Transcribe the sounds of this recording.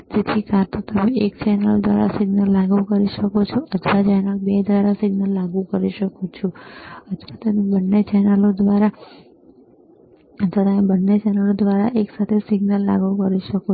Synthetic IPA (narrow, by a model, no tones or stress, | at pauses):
d͡ʒet̪ʰikʰãt̪ot̪əmeekt͡ʃɛnəlod̪ʋa̰ɾa̰siɡnəlːaɡũkəɾiʃəkot͡ʃʰoʔət̪ʰʋad͡ʒanãk̚bed̪ʋaɾasiɡnəlːaɡũkəɾiʃəkot͡ʃʰɔət̪ʰʋat̪əmebənːet͡ʃɛnəlod̪ʋaɾa | ət̪ʰʋat̪əmebənːet͡ʃɛnəlod̪ʋaɾaʔeksat̪ʰesɪɡnəlːa̰ɡũkəɾiʃəko